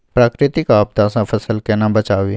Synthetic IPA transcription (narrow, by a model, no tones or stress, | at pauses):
pɾaːkɾɪt̪ɪkaːb̚t̪aːsãpʰəsəlkenãbət͡ʃaːʋi